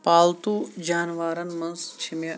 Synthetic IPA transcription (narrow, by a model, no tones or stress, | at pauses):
paːlt̪ud͡ʒaːnʋaːɾɐnmɐ̃nst͡ʃʰimjɐ